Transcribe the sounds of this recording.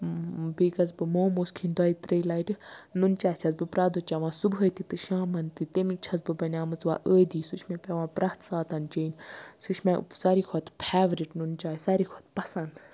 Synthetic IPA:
biːkɐzbɨmoːmoːskʰind̪ɐit̪ɾɐjlaiʈɨnunt͡ʃaːt͡ʃʰɐt͡sbɨpɾaːd̪oːt͡ʃaʋãːsubɦɐːt̪it̪ɨʃaːmɐnt̪ɨt̪emit͡ʃʰɐt͡sbɨbɐnʲaːmɨt͡sʋa̰ːʔəːd̪iːsut͡ʃʰmẽpʲɐʋãːpɾaːt̪saːt̪ɐnt͡ʃeːnʲsut͡ʃʰmesɐɾikʰɔt̪pʰaːʋɾiʈnunt͡ʃaːsɐɾikʰot̪pɐsɐnd̪

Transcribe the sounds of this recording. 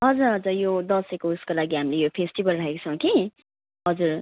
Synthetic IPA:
ɦʌd͡zuɾɦʌd͡zʌjod̪ʌsekouskolaɡiɦamilejopʰesʈibʌlrʌɦekt͡sʰʌw̃ki | ɦʌd͡zuɾ

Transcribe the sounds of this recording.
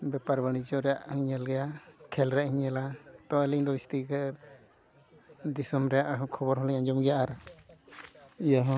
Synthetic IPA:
bɛpaɾbanid͡ʒɔɾɛjaʔhiɲɛlɡɛjakʰɛlɾɛʔhiɲɛlat̪ɔɛliɲd̪ɔbist̪ikɛɾ | d̪isɔmɾɛjaʔkʰɔbɔɾɦɔlɛɲaɲd͡ʒɔmɡɛjaʔaɾa | ijaɦɔ̃

